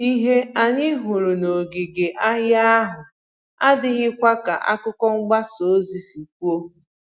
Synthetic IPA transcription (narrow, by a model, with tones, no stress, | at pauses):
i˦ɦe˦a˨ɲɪ˦ɦʊ˨ɾʊ˨no˨ɡi˨ɡe˨ʔa˦ɣja˦ɦʊ˨ | a˦dɪ˦ɣɪ˦kʷa˦ka˨ʔa̰˦kʊ˦kɔ˦ŋ͡m̩˦ɡ͡ba˦so˨˦zi˨si˨k̚ʷu˦o˦